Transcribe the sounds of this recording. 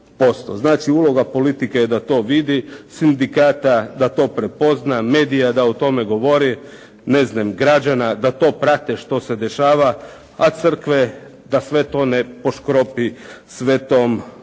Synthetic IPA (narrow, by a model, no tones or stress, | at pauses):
po̞st̪o̰znaːt͡ʃiuːlo̞ɡapo̞lit̪ikejed̪at̪o̞ːʋid̪isind̪ikaːt̪ad̪at̪o̞ːpɾe̞po̞znameːd̪ijad̪aut̪o̞meɡo̞ʋo̞ɾi | neznamɡɾad͡ʒanad̪at̪o̞ːpɾat̪eʃt̪o̞se̞d̪e̞ʃaːʋa | at̪sɨr̩kʋe | d̪asʋe̞t̪o̞nepo̞ʃkɾopisʋe̞t̪om